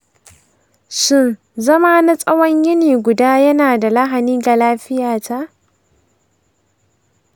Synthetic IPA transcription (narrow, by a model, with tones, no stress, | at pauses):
sʊ˦n | zɐ˦maː˦na˦sʼɐ˦wɐ˦ɲjɪ˦niː˨ɡʷʊ˨daː˦jɐ˦naː˨da˨la˦ɦa˨niː˦ɡa˨laː˦ɸɪ˦jaː˨ta˦ʔ